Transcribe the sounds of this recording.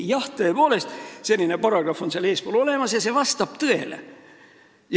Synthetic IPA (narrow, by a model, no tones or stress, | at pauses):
jɑht̪ːˑeːpoːle̞st̪selːinepɑrɑɡ̥rɑfo̞nseleːspolo̞le̞mɑsjɑse̞vɑst̪ɑb̥t̪ɯe̞lḛ | j